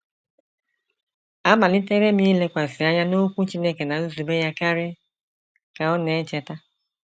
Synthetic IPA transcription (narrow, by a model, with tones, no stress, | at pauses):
a˦ma˨lɪ˦te˦ɾe˦mi˦le˦kʷa˨zɪ˨a˦ɲa˦no˦kʷu˦t͡ʃi˦ne˦ke˨na˨u˦zu˨be˦ja˦ka˦ɾɪ˦ | ka˨ɔ˦ne˨˦t͡ʃe˦ta˦